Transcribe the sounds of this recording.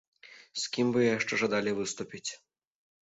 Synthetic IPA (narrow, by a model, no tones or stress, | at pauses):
skʲimvɨjɛjaʂt͡ʂɛʐad̪alʲivɨst̪upʲit͡sʲ